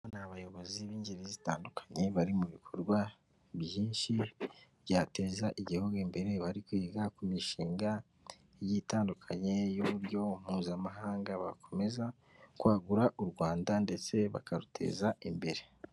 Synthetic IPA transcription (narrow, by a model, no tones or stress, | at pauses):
naβajo̞βo̞ziβiːɲɟeɾezitaːndukʰḁɲe̞βaɾimuβikʰo̞ɾɡwa | βjiːnʃi | jaːte̞ːzaʔiɟihoɡembe̞ɾe̞βaɾikuiɡakumiʃiːŋɡa | jitaːndukʰaɲe̞joβuɾjo̞m̥uːzamaɦaːŋɡaβa̰kʰo̞me̞za | kwaːɡuɾaʔuɾɡwaːndande̞t͡se̞βa̰kʰaɾutʰe̞̰ːzaimbe̞ɾe̞